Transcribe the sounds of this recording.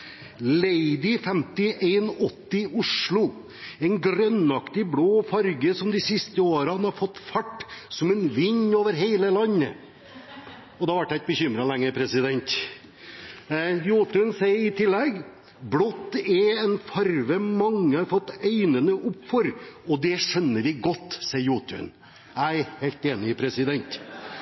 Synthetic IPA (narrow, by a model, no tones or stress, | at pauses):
leɪd̪ɪfɛmt̪ɪʔeɪnɔt̪ːɪʊʂlʊ | ɛɪnɡɾœnɑkt̪ɪbloːfɑɾɡəsɔmd̪ɪsɪst̪əoːɾəɑnhɑɾfɔt̪ːfɑʈːsɔmɛnʋɪɲːoːʋəɾɦeɪləlɑnːə̰ | ɔd̪ɑʋɑʈ̚ːd̪æɪt̪̚bəçʏmɾɑlɛŋːəpʰɾɛsɪd̪ɛnt̪ | juːt̪ʉnsæɪəɾɪt̪ʰɪlːɛɡ | blɔt̪ːɛɛnfɑɾʋəmɑŋːəhɑɾfɔt̪ːeɪnənəʔʊpːfɔɾɔd̪ɛʂɛnːəɾʋɪɡɔt̪ːsæɪəɾjuːt̪ʉ̰n | æɪheɪlt̪eːnɪpʰɾɛsɪd̪ɛnt̪